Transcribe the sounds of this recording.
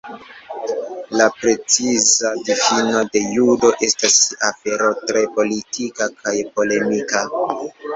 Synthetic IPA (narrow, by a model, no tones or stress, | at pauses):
lapɾe̞t͡sizadifino̞de̞judo̞ʔe̞stasafe̞ɾo̞tɾe̞po̞litʰikakʰajpo̞le̞mika